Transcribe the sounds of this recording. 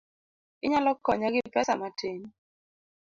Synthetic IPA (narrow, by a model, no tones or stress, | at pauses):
ɪɲalɔkːɔɲaɡɪpɛsamateɲ